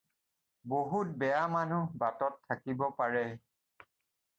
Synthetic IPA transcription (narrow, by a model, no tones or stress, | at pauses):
boɦut̚bɛjamanubatɔtʰːakibɔpaɹɛ